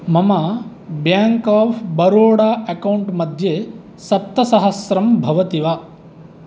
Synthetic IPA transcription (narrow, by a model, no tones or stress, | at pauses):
mɐmɐ | bjaːŋkaːfbɐɾoːɽaːʔɐkɐwɳʈmɐd̪ʱje | sɐp̚t̪ːɐsɐɦɐsɾɐmbʱɐʋɐt̪iʋa